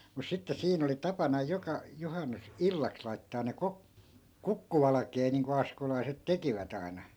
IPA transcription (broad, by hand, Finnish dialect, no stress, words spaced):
mus sitːe siːn oli tɑpɑnɑ jokɑ johɑnːus ilːɑks lɑitːɑːn ne kok kukːuʋɑlɑkeː niːŋko ɑskolɑiset tekiʋæt ɑi̯nɑ